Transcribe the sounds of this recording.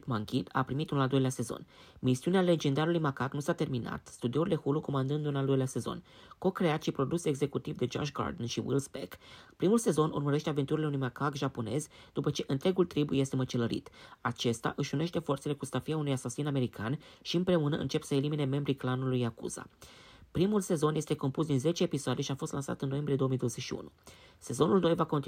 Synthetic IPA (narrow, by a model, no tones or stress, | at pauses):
t̪maŋkʲina̰pɾimit̪unlald̪o̞jlease̞zo̞̰nmisiuneale̞d͡ʒe̞nd̪aɾulujmakaknusat̪e̞rmina̰t̪st̪ud̪ioɾild̪ehuluko̞mand̪ɨnd̪unald̪o̞jlease̞zo̞̰nko̞kɾe̞at̪ʃipɾo̞d̪useɡze̞kut̪ivd̪e̞d͡ʒo̰ʃɡa̰rd̪nʃiwḭlzbekpɾimulse̞zo̞nṵrməɾe̞ʃt̪eave̞nt̪uɾile̞unujmakakʒapo̞ne̞̰zd̪̥upət͡ʃe̞ʔɨnt̪ɾe̞ɡult̪ɾibje̞st̪e̞mət͡ʃeləɾḭt̪at͡ʃe̞st̪a̰ʔɨʃune̞ʃt̪e̞fo̞rt̪se̞lekust̪afiaunujasasiname̞ɾikanʃiɨmpɾe̞unəʔɨ̰nt͡ʃe̞psəelimine̞me̞mbɾiklanulujakṵz̥a̰pɾimulse̞zo̞nje̞st̪e̞ko̞mpus̬d̪inze̞t͡ʃe̞ːpisoad̪e̞ʃiafo̞st̪lansa̰t̪ɨnnːo̞jembɾied̪oomijd̪owəze̞ʃiṵnuse̞zo̞nulnojvako̞nt̪